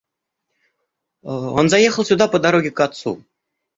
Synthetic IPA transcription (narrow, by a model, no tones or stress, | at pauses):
ɤ̰̆nzɑjeχɤ̆lˠsʲud̪ɑpɤ̆d̪ɑɾoɡʲikɑt̪sṵ